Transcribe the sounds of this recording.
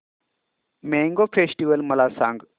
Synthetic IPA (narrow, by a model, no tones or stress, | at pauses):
meŋɡofesʈiʋəlməlasã̰ŋɡ